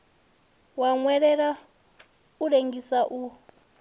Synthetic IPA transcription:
waŋwɛɺɛɺa | uɺeŋɡisaʔu

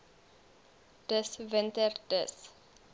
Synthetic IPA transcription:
d̥əsvəntərdəs

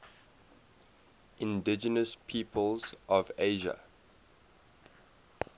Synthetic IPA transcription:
ʔɪ̃ndɪd͡ʒənəspʰiːpʰəlˠzɔveɪʒə̰

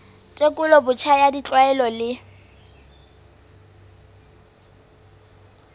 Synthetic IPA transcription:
tʼekʼʊlɔbʊt͡ʃʰajadit͡ɬʼwaɛlɔlɪ

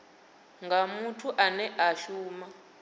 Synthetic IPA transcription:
ŋɡamutʰuʔanɛʔaʃuːma

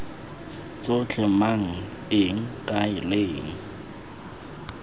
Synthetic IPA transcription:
t͡sʼot͡ɬʰɛmaŋ̩ | ɪŋ̩kʼaɪleːŋ̩

